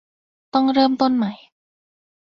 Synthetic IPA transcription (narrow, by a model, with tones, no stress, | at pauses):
t̪ɔ˥˩ŋɾɤː˥˩mt̪o˥˨nma˦j